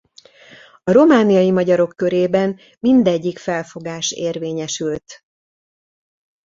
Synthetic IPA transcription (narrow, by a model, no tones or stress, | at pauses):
ɒɾo̞maːnijɒjimɒɟɒɾo̞kːøɾeːbɛn | mind̪ɛɟːikfɛlfo̞ɡaːʃeːrveːɲɛʃylt̪